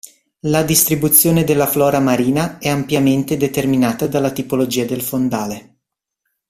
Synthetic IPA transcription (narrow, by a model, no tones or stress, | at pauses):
lad̪ist̪ɾibut̪sːjoːned̪elːaflɔːɾamaɾiːnaɛampjament̪ed̪et̪erminaːt̪ad̪alːat̪ipolod͡ʒiːad̪elfond̪aːle